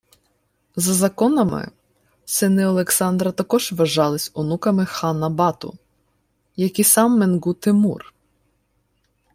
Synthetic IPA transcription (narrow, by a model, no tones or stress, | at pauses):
zɐzɐkɔnɐmɪ̰ | sɪnɪɔlˠeksɑnd̪ɾɐt̪ɐkɔʒʋɐʒɑlˠɪsʲʊnukɐmɪxɑnɐbɑt̪ʊ̰ | jɐkisɑmːenɡut̪ɪmṵr